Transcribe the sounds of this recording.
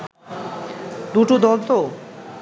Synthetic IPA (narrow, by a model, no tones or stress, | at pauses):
d̪uʈud̪ɔlt̪o